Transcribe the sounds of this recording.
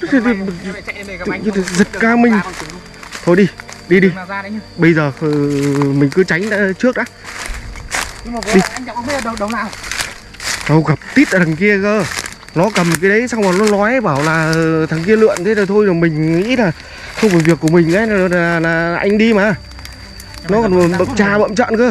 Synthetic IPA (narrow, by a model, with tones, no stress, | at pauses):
zi˨˩t̚kaː˧mï˨˩ŋ̟ | t̪ʰo˧˩jɗi˧ɗi˧ɗi˧ɓə˧jzəː˨˩ə˨˩mï˨˩ŋ̟kɨ˨˦t͡ɕa˨˦jŋ̟aː˧˦t͡ɕɨ˦˥ək̚ʔaː˨˦˧ | ɗi˧˦˨ə˧a̰ː˧˨ | ɗə˧wɣə˨˩p̚t̪i˦˥t̚ʔə̰ː˨˩a˨˩ŋki˧əkəː˧˩ | nɔ˨˦kə˨˩mkaː˨˦jɗə˨˦jsa˧wŋ͡mmaː˨˩nɔ˨˦nlɔ˨˦jɓaː˧˩wlaː˨˩˨t̪ʰa˨˩ŋki˧əlɨ̰˧˨ənt̪ʰe˨˦zə˨˩t̪ʰo˧jzo˨˩jmï˨˩ŋ̟ŋḭ˧˥laː˨˩ | xə˧wŋ͡mfɔː˧˩jvi˨˩əkːu˧˩əmï˨˩ŋ̟ʔa̰ː˨˦la˨˩˨aː˨˩laː˨˩˨ʔa˧jŋ̟ɗi˧maː˨˩ | nɔ˨˦kɔ˨˩n˨˩ɓə̰˧˨mt͡ɕaː˧ɓə̰˧˨mt͡ɕə̰˧˨nkɨ˨˧˦